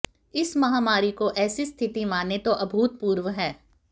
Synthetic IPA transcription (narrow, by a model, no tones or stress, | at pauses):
ɪsmɐɦaːmaːɾikoʔɛːsist̪ʰɪt̪imaːnet̪oʔɐbʱuːt̪̚puːɾʋəɦɛː